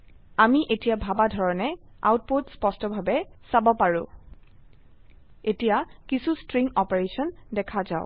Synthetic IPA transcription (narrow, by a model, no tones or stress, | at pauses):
amiʔetijabʱabadʱɔɹɔnɛa̰wt̚potspɔstɔbʱabɛsabɔpaɹʊ̃ | etijakisustɹiŋɔpeɹesɔndɛkʰaza̰ʊ̃